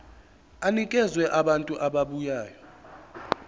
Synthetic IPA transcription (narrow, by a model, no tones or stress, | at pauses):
anik̬ʼɛzwɛʔaɓantʼuʔaɓaɓujaːjɔ